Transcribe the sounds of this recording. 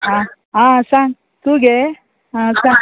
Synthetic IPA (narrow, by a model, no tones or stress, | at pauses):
a | asaŋ | t̪uɡe | asãŋ